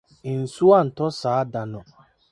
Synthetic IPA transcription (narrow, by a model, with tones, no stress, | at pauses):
n̩˨su˦a˦˨n̩˨tɔ˦saː˨a˦da˨nɔ˨